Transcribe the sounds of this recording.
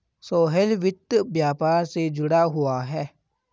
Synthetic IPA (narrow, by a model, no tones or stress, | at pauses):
soːɦelʋɪt̪ːəbjaːpaːɾsed͡ʒʊɽaɦuaɦɛ